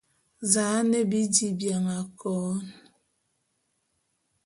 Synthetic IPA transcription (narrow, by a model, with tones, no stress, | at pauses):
zaː˨˦ne˦bi˦di˨bja˨ŋa˨kɔː˨˦n